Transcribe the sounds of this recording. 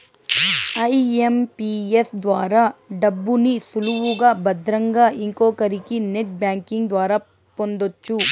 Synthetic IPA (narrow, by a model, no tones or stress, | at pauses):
ɐjempiesd̪ʋaːɾɐɖɐbːunisuluʋuɡɐbɐd̪ɾɐŋɡɐiŋkoːkɐɾikineʈ̚bjaːŋkiŋɡd̪ʋaːɾɐ | pond̪ot͡ʃːu